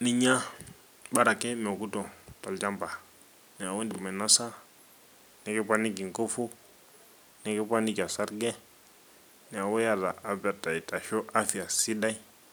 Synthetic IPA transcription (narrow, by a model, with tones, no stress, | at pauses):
ni˨ɲa˦ | ɓa˦ɾa˨kɛ˦mɛ˨ku˦tɔ˨ta˨ld͡ʒa˦mba˨ | ni˨a˨wo˦ndi˨ma˨na˦sa˦ | nɛ˨kɛ˦pa˦ni˦k̬i˨ŋko˦fu˦ | nɛ˨˦kɛ˦pa˦ni˦ka˨sa˦ɾɡɛ˦ | nɛ˨a˨wɔ˦ja˦ða˨ʔa˦ba˨ta˨i˨ta˨ʃo˦ʔa˦fi˨a˨si˦da˦i˦